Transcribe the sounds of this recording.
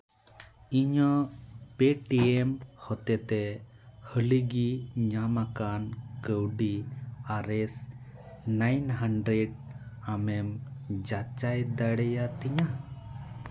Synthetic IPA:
iɲɔpeʈiemhɔt̪ɛt̪ɛ | həliɡiɲamakankəwɖiaɾɛs | najnɦaɳɖɾɛɖ̚amɛmd͡ʒat͡ʃajd̪aɽɛjat̪iɲa

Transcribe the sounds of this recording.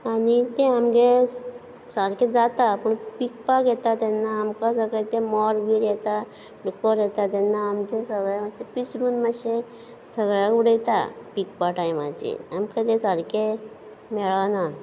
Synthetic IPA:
anit̪eamɡe | saɾked͡zat̪apəɳpik̚paɡɛt̪at̪ɛnːaːmkasəɡɭet̪emɔɾbʱiɾɛt̪a | ɖukɔɾjɛt̪at̪ɛnːaːmd͡ʑesəɡɭjamat̪episɾuːnmaɕe | səɡɭjakuɽet̪a̰pikpaʈajmad͡ʑḭamkat̪ẽsaɾke | mɛɭana

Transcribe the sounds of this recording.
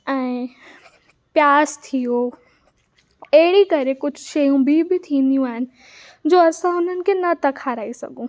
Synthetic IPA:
ɛ̃ː | pjaːzt̪ʰijo | ɐɦɪɽikɐɾekʊd͡ʑʱʊʃɐjũbʱɪbɪt̪ʰĩːnd̪ijũaːɦɪnɪ̆ | d͡ʑoːɐsãʊn̤ənɪ̆kʰeːnɐt̪ɐkʰaːɾaːisɐ̰ɡũː

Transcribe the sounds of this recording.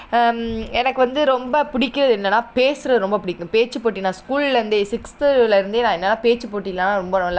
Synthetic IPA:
ɛnɐkːɯʋɐnd̪ɯɾɔmbɐpʊɽɪkːɪɾɐðɯɛnːɐnːaːpeːsɯɾɐðɯɾɔmbɐpʊɽɪkːʊ̃peːt͡ʃːɯpoːʈːinaːskuːllɐnd̪ɯsɪkst̪ɯlɪɾɯnd̪eːnãːɛnːɐnːaːpeːt͡ʃːɯpoːʈːilːɐnaːɾɔmbɐɾlː

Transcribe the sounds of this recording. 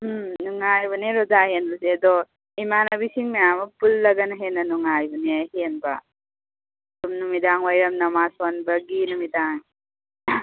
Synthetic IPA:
nuŋajbuneɾɔzaɦenbuseɐd̪ɔ | imanabisiŋmejamɐpulːɐɡɐnɦenɐnuŋajbuneɦenbɐ̰ | tumnumidaŋwajɾɐmnɐmasɔnbɐɡinumidaŋ

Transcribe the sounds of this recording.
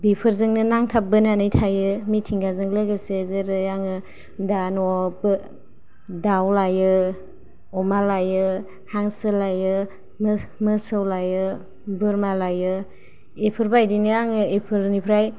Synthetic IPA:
bipʰɯɾzɯŋnɯnaŋtʰap̚bɯnanɯjtʰajɯmitʰiŋɡazɯŋlɯɡesezɯɾɯjaŋɯ | danɔb | dawlajɯ | ɔmalajɯ | haŋsɯlajɯ | mmɯsɯwlajɯ | bɯɾmalajɯ | epʰɯɾbajdinɯjaŋɯepʰɯɾnipʰɾaj

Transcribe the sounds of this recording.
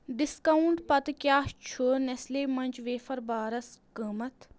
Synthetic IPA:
ɖɪskɐuɳʈpɐt̪kjaːʃt͡ʃʰoːnesleːmɐnʲd͡ʒʋeːfɐɾbaːɾɐskəːmɐt̪ʰ

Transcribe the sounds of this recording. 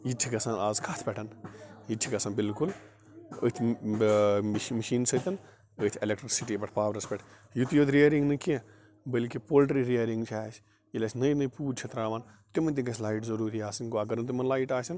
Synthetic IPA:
it͡ʃʰikɐsaːnaːzkʰaːt̪ʰpʲɛʈʰɐnit͡ʃʰikɐsaːnbilkul | ə̰ːt̪ʰ | mɐʃiːnsɐt̪ɐn | əːt̪ʲʰelek̚ʈɾɐsiʈiːbɐʈʰpaːʋɾɐspʲɛʈʰ | jut̪joːt̪ʲɾijɐɾiŋɡnɨkẽ | bəlkipoːlʈɾiɾiɐɾiŋɡt͡ʃʰaːt͡ʃʰ | ilʲɐt͡ʃʰʲnɐjnɐjpuːɾt͡ʃʰet̪ɾaːʋaːnt̪ʲumɐnt̪iɡɐsʰʲlaːiʈzɐɾuːɾiaːsɐnɡoɐɡɐɾnt̪̬umɐnlaːiʈaːsʲɐn

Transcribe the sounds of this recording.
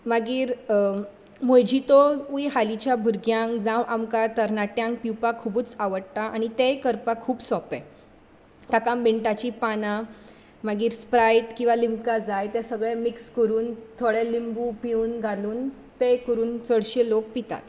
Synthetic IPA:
maɡiːɾ | mojd͡ʑit̪ɔujɦalit͡ɕjabʱuɾɡjãŋkd͡zãwʔamkat̪əɾnaʈjãŋk̚piwpakʰubuːt͡saʋəɽt̪aʔañit̪ejkəɾpakʰːuːbsɔpɛ̃ | t̪akambeɳʈat͡ɕipana | maɡiːɾspɾajʈkĩw̃ʋalimkad͡zajt̪ɛ̃səɡɭɛ̃mikskəɾuːnt̪ʰoɽɛlimbupiuːnɡʱaluːn | t̪ejkəɾuːnt͡səɽɕelok̚pit̪a̰t̪

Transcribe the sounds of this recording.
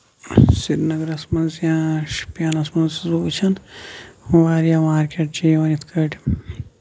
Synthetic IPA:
siɾnɐɡɐɾɐsmɐnzjãːʃpjaːnɐsmɐnzzoːt͡ʃʰɐn | ʋaːɾjaːmaːɾkeʈ̚t͡ʃiːʋɐnit̪ʰkʰɐʈ

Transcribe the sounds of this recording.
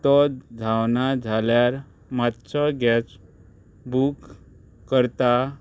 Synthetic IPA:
t̪ɔd͡zʱawnad͡zʱaljaɾ | mat̪ɕʰɔɡɛt͡s | bukː | əɾt̪a

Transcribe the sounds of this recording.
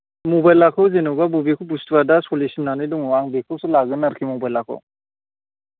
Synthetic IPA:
mubajlakʰɔwzenɔbabubekʰɔbustwadasɔlesimnanɯjduŋwaŋbekʰɔwsɔlaɡɯnaɾkʰimɔbajlakʰɔ̰

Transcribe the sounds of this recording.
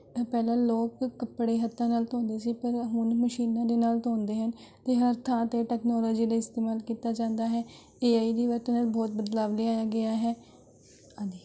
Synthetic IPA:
pɛːlãːloːkːəpːɽeːɦət̪ʰːãːnaːlt̪õːnd̪eːsiːpəɾɦʊnməʃiːnãːd̪eːnaːlt̪õːnd̪eːɦən | t̪eːɦəɾt̪ʰãːt̪eːʈɛːknɔːlɔːd͡ʒiːlaːɪst̪eːmaːlkiːt̪aːd͡ʒãːnd̪aːɦɛː | eːaːiːd̪iːʋəɾt̪ːnaːlbɔːt̪̚bəd̪laːʋleːaːjaːɡɪaːɦɛː | ad͡ʒiː

